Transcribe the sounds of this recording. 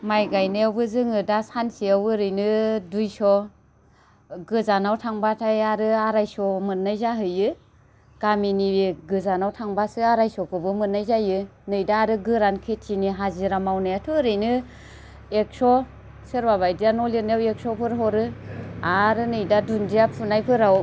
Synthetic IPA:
majɡajnajawbɯzɯŋɯdasansiawɯɾɯjnɯdujsɔ | ɡɯzanawtʰaŋbatʰajaɾɯaɾajsɔmɯt̚nːajzaɦɯjɯ | ɡ̥aminibiɡɯzanawtʰaŋbasɯaɾajsɔkʰɯbɯmɯnajzajɯnɯjdaːɾɯɡɯɾankʰetʰiniɦaziɾamawnajatʰɯɾɯjnɯ | ek̚sɔ | sɯɾbaβajdijanɔlinjawek̚sɔpʰɯɾɦɔɾɯaɾɯnɯjdadundijapʰunajpʰɯɾaw

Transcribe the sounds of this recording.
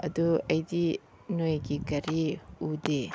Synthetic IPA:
ɐ̰duɐjdi | nojɡikɐɾiude

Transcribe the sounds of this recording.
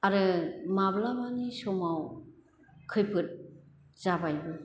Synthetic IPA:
aɾɯmablamanisɔmaw | kʰɯjpʰɯt̚ | z̥abajbɯ

